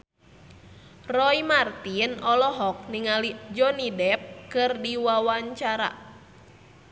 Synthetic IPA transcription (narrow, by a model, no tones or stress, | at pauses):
rɔimart̪inɔlɔɦɔk̚niŋalid͡ʒɔnidɛp̚kɨrdiwawaɲt͡ʃaɾa̰